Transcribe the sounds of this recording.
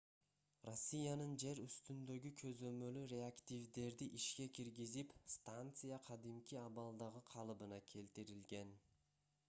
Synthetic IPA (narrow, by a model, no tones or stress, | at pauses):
ro̞sʲːijanɯnd͡ʒe̞ɾyst̪ynd̪ø̞ɡykʰø̞zø̞mø̞lyɾʲe̞akt̪ʲivd̪e̞ɾd̪iʔiʃke̞kʲiɾɡizipst̪ant̪sɨjaqʰɑd̪imkʲiɑβɑlˠd̪ɑʁɯqʰɑlˠɯbɯnɑkʲʰe̞lt̪iɾilɡe̞n